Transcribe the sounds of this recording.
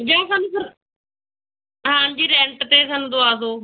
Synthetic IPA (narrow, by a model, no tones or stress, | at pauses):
d͡ʒãːsaːnusəɾ | ɦãːd͡ʒiːɾɛ̃ːɳʈt̪eːsaːnũːd̪oaːs̬oː